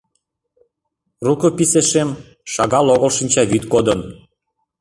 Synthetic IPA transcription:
rukɤ̆piseʃem | ʃɑɣɑloɣəlʃinʲt͡ɕɑβyt̪kod̪ən

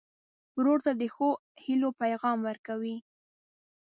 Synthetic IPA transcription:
wɾoɾt̪ad̪əxohilopajɣɑmwəɾkawi

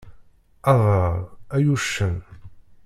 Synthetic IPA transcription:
ɑðˤəɾˤæjuʃːən

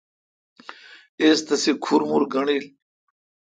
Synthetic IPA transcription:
eːst̪ɐsikʰuɾmuɾɡɐɳiːl

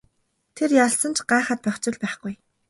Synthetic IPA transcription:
t̪ʰerjaɮsə̆nt͡ɕʰɢaːχə̆ːt̪̚pœχʲt͡ɕɪ̆ɮpæːχɡ̥uj

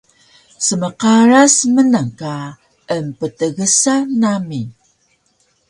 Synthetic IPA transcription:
səməqaɾasmənaŋka | əmpətəɣəsanami

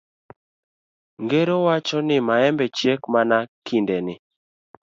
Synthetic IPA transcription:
ŋɡeɾowat͡ʃɔnɪmaɛmbɛt͡ʃjekmanakʰindɛnɪ

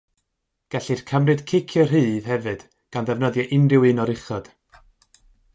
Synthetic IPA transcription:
ɡ̥ɛɬir̥kʰəmrɨd̥kʰɪkʰjərɦɨːð̥hɛvɨd̥ | ɡ̥anðɛvnɔðjɛʔɪnrɪwɨnɔɾɪχɔd̥

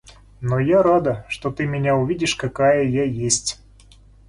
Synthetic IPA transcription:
nojaɾad̪əʂt̪ot̪ɨmʲɪnʲaʊvʲidʲɪʂkɐkajəjajesʲtʲ

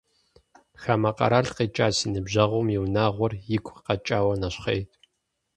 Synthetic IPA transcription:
xamɐqʼɐ̰ɾaɮqeːt͡ʃʼaːsinɨbʑɐʁʷɔmjiwnaːʁʷɔrjɪkʷʰʼqɐt͡ʃʼaːwɐnɐɕχejtʼ

